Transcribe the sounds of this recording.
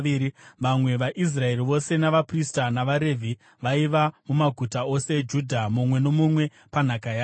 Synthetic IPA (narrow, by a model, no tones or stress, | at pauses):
ɾiʋamwe̞ʋaʔis̬rae̞riʋo̞se̞naʋapristanaʋaɾe̞vʱi | ʋaiʋamumaɡʱutao̞se̞d͡ʒudʱamumwe̞no̞mumwe̞ | pan̤akaja